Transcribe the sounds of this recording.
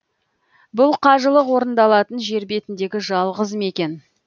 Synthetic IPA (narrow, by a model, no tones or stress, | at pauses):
bʊlˠqʰɑʒəlˠəqwo̞ɾənd̪ɑlˠɑt̪ənʒe̞ɾbe̞t̪ɪnd̪e̞ɡʲɪʒɑlˠʁəzəme̞kʲe̞n